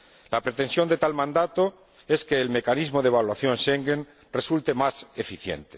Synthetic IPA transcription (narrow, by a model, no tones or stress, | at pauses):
lapɾet̪ẽ̞nsjo̞nd̪e̞t̪almãnd̪at̪o̞ | e̞ske̞ːlme̞kanizmo̞ðeβalwaθjo̞nʃeŋɡen | re̞sult̪e̞mase̞fiθjḛnt̪e